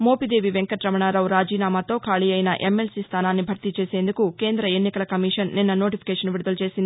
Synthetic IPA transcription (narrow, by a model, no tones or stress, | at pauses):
mo̞ːpid̪e̞ːʋiʋeŋkɐʈɾɐmɐɳaːɾɐwɾaːd͡ʒiːnaːmaːt̪o̞ːkʰaːɭijɐjnɐʔemːelsiːst̪ʰaːnaːnːibʱɐɾt̪it͡ʃe̞ːse̞ːnd̪ukuke̞ːnd̪ɾɐenːikɐlɐkɐmiʂɐnːinːɐnoːʈipʰi̥kɛːʂɐnʋiɽud̪ɐlut͡ʃe̞ːsind̪